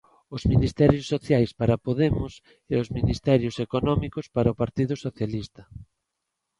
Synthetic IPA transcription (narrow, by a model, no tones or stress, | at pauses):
ʊzminist̪ɛɾjʊsːoθjajspaɾapoðemʊs | eʊzminist̪ɛɾjʊsekonɔmikʊspaɾaopaɾt̪iðʊsoθjalist̪ɐ